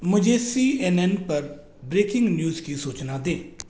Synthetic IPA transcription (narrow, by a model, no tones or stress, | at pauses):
mʊd͡ʒʱeːsiːɛːnɛnpəɾ | bɾeːkɪŋɡnjuːzkiːsoːt͡ʃnaːd̪ẽː